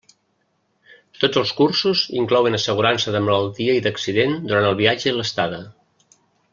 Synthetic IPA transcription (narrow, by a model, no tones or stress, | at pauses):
t̪od͡zəlˠskursuzḭŋklɔwənəsəɣ̞uɾansəðəmələlˠt̪iəiðəksiðend̪uɾanəlˠβiad͡ʒəiləst̪aðə